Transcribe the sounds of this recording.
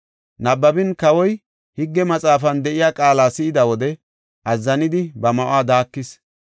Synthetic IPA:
nɐbːɐbɪnkɐwɔj | hɪɡːɛmɐt͡sʼaːfɐnd̪ɛʔɪjaːkʼaːlaːsɪɪd̪ɐwɔd̪ɛ | ʔɐzːɐnɪd̪ɪbɐmɐʔʊaːd̪aːkːɪs

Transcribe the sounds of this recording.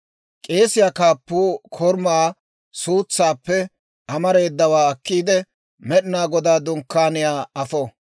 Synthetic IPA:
kʼe̞ːsɪjaːkaːpːuːkʰɔɾmaː | suːt͡sːaːpːɛ | ʔɐmɐɾe̞ːd̪ːɐwaːɐkːiːd̪ɛ | mɛɗɪnaːɡɔd̪aːd̪ʊŋkːaːnɪjaːɐfɔ

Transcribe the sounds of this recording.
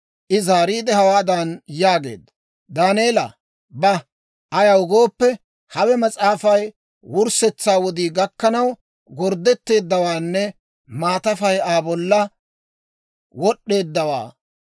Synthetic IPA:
ʔɪzaːɾiːd̪ɛhɐwaːd̪ɐnjaːɡe̞̰ːd̪ːɐ | d̪aːneːlɐ̰ | bɐ | ʔːjɐwʊɡo̞ːpːɛ | hɐwɛmɐt͡sʼaːfɐj | wʊɾsɛt͡sːaːwɔd̪iːɡɐkːɐnɐw | ɡɔɾd̪ɛt̪ːe̞ːd̪ːɐwaːnːɛ | maːt̪ɐfɐjaːbɔlːɐ | wɔɗːe̞ːd̪ːɐwa̰ː

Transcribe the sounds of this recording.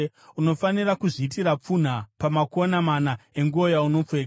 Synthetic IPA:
uno̞fanirakuʐiːtiɾap͡fun̤apamako̞namanae̞ŋɡuo̞jauno̞p͡feka

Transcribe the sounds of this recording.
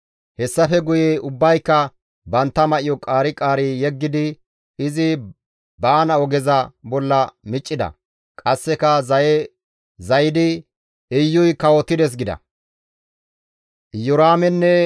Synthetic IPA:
hɛsːɐfɛɡʊjeʊbːɐjkːɐ | bɐnt̪ːɐmɐʔɪjɔkʼaːɾɪkʼaːɾijɛɡːɪd̪ɪ | ɪzɪ | baːnɐɔɡɛzɐbɔlːɐmɪt͡ʃʼːɪd̪ɐ̰ | kʼɐsːɛkɐ | zɐjɪd̪ɪ | ɪjːʊjkɐwɔt̪ːɪd̪ɛs̬ɡɪd̪ɐ̰ | jɔɾaːmɛnːɛ

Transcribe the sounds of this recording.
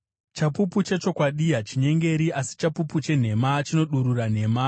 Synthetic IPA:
t͡ʃapuput͡ʃe̞t͡ʃo̞kwaɗiat͡ʃiɲe̞ŋɡe̞ɾiʔasi̥t͡ʃapuput͡ʃe̞n̤e̞mat͡ʃino̞ɗuɾuran̤e̞ːma

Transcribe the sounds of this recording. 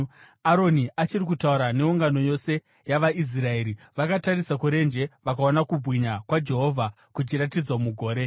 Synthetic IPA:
aɾo̞niʔat͡ʃirikutauɾane̞uŋɡano̞jo̞se̞ | jaʋais̬rae̞ɾi | ʋakatarisakuɾe̞nd͡ʒe̞ʋakao̞nakubʱwiɲakwad͡ʒe̞ɦo̞vʱa | kut͡ʃiratid͡zwamuɡʱo̞ːɾe̞

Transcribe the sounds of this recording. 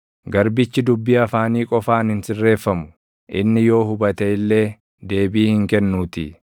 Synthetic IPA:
ɡɐɾbɪt͡ʃːɪd̪ʊbːiːɐfaːniːkʼɔfaːnɪnsɪrːe̞ːfːɐmʊ̥ | ʔɪnːɪjo̞ːɦʊbɐt̪ɐɪlːe̞ː | d̪e̞ːbiːhɪŋkɛnːuːt̪ɪ̰

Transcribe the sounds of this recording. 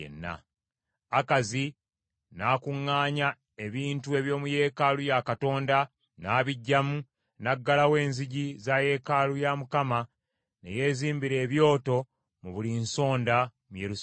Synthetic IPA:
ḛnːa̰ | akazi | naːkuŋːaːɲa | e̞βiːntue̞βjo̞ːmuje̞ːkalujakato̞ːnda | naːβiɟːamu | naɡːalawe̞ːnziɟizaje̞kalujamukama | ne̞̰je̞ːziːmbiɾe̞ːβjo̞ːto̞ | muβulinso̞ːnda | mujeɾus

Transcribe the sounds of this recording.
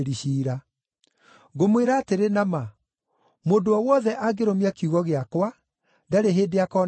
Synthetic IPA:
ɾiɕiːɾa | ɡomweɾaːteɾenama | moːndoɔwɔðɛʔaɡeɾomeakjuɣɔɣeakwa | daɾeɦeːdeakɔːn

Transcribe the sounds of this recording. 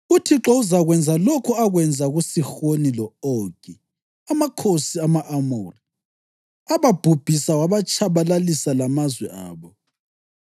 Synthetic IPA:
utʰiǁɔuzaɣwɛnd͡zʱalɔkʰɔaɣwɛnd͡zʱaɣusixonilɔɔɡ̥ʱi | amakʰosiamaʔamuːri | aβab̥ʱub̥ʱisawaβat͡ʃʰʼaβalalisalamazwɛ̰ʔa̰ːβɔ

